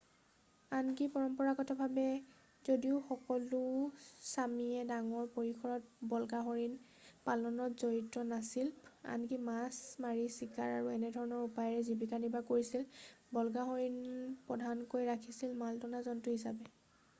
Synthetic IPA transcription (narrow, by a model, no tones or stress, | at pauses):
ankipɔɹɔmpɔɹakɔtʰɔbʱabɛ | zodiʊxɔkɔlʊsamiɛdaŋɔɹpoɹikʰɔɹɔt̚bɔlɡaɦoɹin | palɔnɔtzoɹitɹɔnasila̰nkimasmaɹisikaɹaɹuɛnɛdʱɔɹɔnɔɹupajɹɛzibikanibakoɹisilbɔlɡaɦoɹinpɹɔdʱankojɹakʰisilmaltɔnazɔntʊɦisabɛ